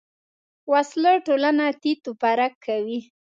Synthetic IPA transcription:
wasləʈolanat̪it̪upaɾakʰːawi

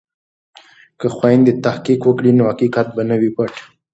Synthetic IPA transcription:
kəxwajnd̪et̪ahqikwəkɽinohaqiqat̪̚banəwipəʈ

